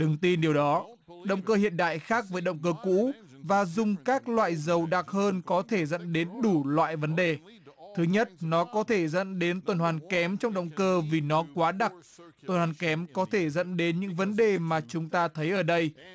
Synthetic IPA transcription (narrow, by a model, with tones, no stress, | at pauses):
ɗɨ˨˩ŋt̪i˧nɗi˨˩əwɗɔ˨˦ | ɗə̰˧˨wŋ͡mkəː˧hḭ˧˨ənɗa̰ː˧˨jxaː˦˥k̚vəː˨˦jɗə̰˧˨wŋ͡mkəː˧kṵ˧˥ | vaː˨˩zʊ˨˩ŋ͡mkaː˦˥k̚lwa̰ː˧˨jzə˨˩wɗaː˨˩k̚həː˧nkɔ˨˦t̪ʰe˧˩zə̰˧˥nɗe˨˦nɗu˧˩lwa̰ː˧˨jvə˨˦nɗe˨˩ | t̪ʰɨ˨˦ɲə˦˥t̚nɔ˨˦kɔ˨˦t̪ʰe˧˩zə̰˧˥nɗe˨˦nt̪wə˨˩nhwaː˨˩nkɛ˨˦mt͡ɕɔ˧wŋ͡mɗə̰˧˨wŋ͡mkəː˧vi˨˩nɔ˨˦kwaː˨˦ɗa˨˩k̚t̪wə˨˩nhwaː˨˩nkɛ˨˦mkɔ˨˦t̪ʰe˧˩zə̰˧˥nɗe˨˦nɲɨ̰˧˥ŋvə˨˦nɗe˨˩maː˨˩t͡ɕʊ˨˦ŋ͡mt̪aː˧t̪ʰə˨˦jʔəː˧˩ɗə˧j